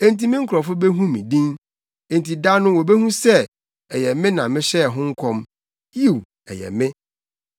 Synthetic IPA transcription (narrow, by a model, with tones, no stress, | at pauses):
ẽ˦nti˦mĩ˦ŋ̩˦kʰʊ˨ɾɔ˨fʊ˦be˦ɦũ˦mĩ˨dĩ˦n | e˨n˨ti˨da˦nʊ̃˦wɔ˨be˦hũ˦sɛ˦˨ | ɛ˨jɛ˨mɪ̃˦nã˨mɪ̃˦ɕɛ˦˨ɦʊ̃˦ŋ̩˦kʰɔ̃˦m | ji˦˨w | ɛ̰˨jɛ̰˨mɪ̃˦